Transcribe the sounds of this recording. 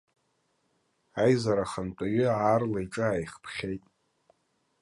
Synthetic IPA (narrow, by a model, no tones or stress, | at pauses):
ajzaɾaχantʼaɥʏarlajʈ͡ʂʼɨajχpʰχʲejtʼ